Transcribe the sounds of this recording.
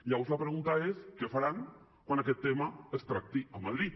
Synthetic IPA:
ʎaβozlapɾeɣunt̪aeskefaɾaŋ | kwanaket̪ːemaəst̪ɾak̚t̪iamaðɾit̪

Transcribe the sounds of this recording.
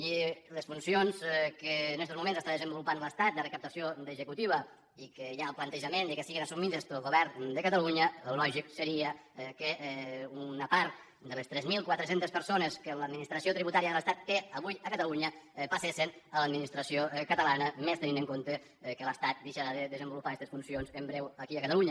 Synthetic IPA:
iləsfunsionzkəːnɛst̪ozmumẽnzəst̪aðəzəmbulupanləst̪at̪̚d̪ərəkəp̚t̪əsiod̪əʒəkut̪iβ̞ə | ikəjaəlˠplənt̪əʒəmend̪əkesiɣenəsumiðəst̪əlɣoβɛrnd̪əkət̪əluɲəulɔʒiksəɾiəkəunəpaɾt̪̚ | d̪ələst̪ɾɛzmilˠkwat̪ɾəsent̪əspəɾsonəskənləd̪̚minist̪ɾəsiot̪ɾiβut̪aɾiəðələst̪at̪ːeəβujəkət̪əluɲəpəsesənələd̪minist̪ɾəsiokət̪əlanəmest̪ənĩnəŋkont̪ə | kələst̪at̪̚d̪eʃaɾaðəðəzəmbulupakɛst̪esfunsionzəmbɾewəkiəkət̪əluɲə

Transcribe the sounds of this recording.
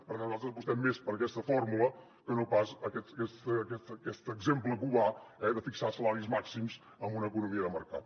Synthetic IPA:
pəɾkɛnuzalt̪ɾəzpust̪ɛmːespəɾəkɛst̪əfɔrmulə | kənopasəkɛəkɛst̪ːkɛt̪əkɛst̪əɡzempləkuβaɛðəfiksasəlaɾizmaksimz | əmbunəkunumiəðəməɾkat̪̚

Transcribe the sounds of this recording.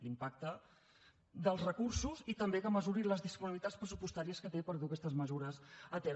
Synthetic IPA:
limpak̚t̪ə | d̪əlˠzrəkursuzit̪əmbekəməzuɾiləzðispuniβilit̪at͡sspɾəsupust̪aɾiəskət̪epəɾðukɛst̪əzməzuɾəzət̪ɛ

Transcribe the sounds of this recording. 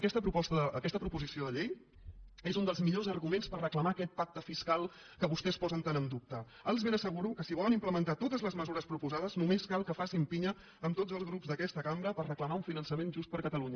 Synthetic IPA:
kɛst̪əpɾupɔst̪əəəkɛst̪əpɾupuzisioðəʎej | ezund̪əlˠzmiʎozərɣumenspərrəkləmaːkɛt̪̚pak̚t̪əfiskalˠ | kəβust̪ɛspɔzənt̪anəmd̪up̚t̪ə | əlˠzβenəsəɣ̞uɾukəsiβɔlənimpləmənt̪at̪ot̪əzləzməzuɾəspɾupuzaðəznumeskalˠkəfasimpiɲəː | mt̪od͡zəlˠzɣɾubzðəkɛst̪əkambɾəpərrəkləmauɱfinənsəmenʒust̪̚pəɾkət̪əluɲə

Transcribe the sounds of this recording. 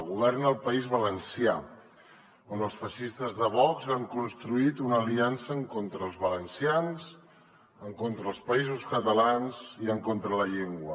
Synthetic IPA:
ɣuβɛrnəlˠpəizβələnsia | onəlˠsfəʃist̪əzðəβɔkzaŋkunst̪ɾuit̪unəːliansəːŋkont̪ɾəːlˠzβələnsianz | əŋkont̪ɾəːlˠspəizuskət̪əlanziəŋkont̪ɾələʎeŋɡwə

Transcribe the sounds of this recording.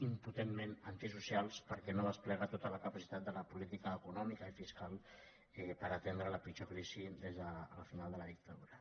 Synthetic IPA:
imput̪emːenant̪isusjalˠspəɾkɛnoðəsplɛɣ̞ət̪ot̪ələkəpasit̪at̪d̪ələpulit̪ikəːkunɔmikəifiskalˠ | ɛpəɾət̪end̪ɾələpit͡ʃokɾisid̪ezðələfinalˠd̪ələðik̚t̪aðuɾə

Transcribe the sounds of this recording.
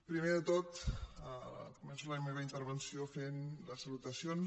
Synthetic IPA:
pɾimeðət̪ot̪ | kumɛnsuləmeβəint̪əɾβənsiofenləsəlut̪əsjon

